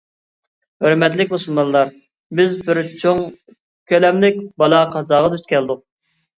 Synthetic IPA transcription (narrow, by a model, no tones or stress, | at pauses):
høɾmɛt̪lɪkʲmusulˠmɑnlˠɑɾ | bɪzbɪɾt͡ʃʰoŋ | kʲʰølɛmlɪk̚ʲbɑlˠɑqʰɑzɑːʁɑd̪yt͡ʃkʲɛld̪ʊq̚